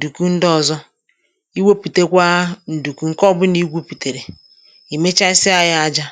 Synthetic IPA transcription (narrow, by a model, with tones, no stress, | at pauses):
du˨ku˦n̩˦dɔ˦˨zɔ˦ | i˦we˦pi˨te˦kʷa˦n̩˨du˨ku˨ŋ̩˦kɔ˦bʊ˦ni˦ɡʷu˦pi˨te˨ɾe˨ | i˨me˦t͡ʃa˦i˦sɪ˦a˦ja˦a˦d͡ʒa˦